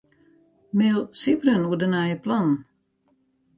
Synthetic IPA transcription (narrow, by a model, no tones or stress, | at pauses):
melˠsibɾənuədənajəplɔn